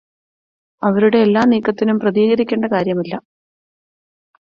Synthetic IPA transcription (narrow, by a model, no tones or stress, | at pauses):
ɐʋɐɾuɽe̞ːlːaːniːkːɐt̪ːinumprɐðiːɣɐɾikʲːeːɳɖɐkaːɾjɐmilːɐ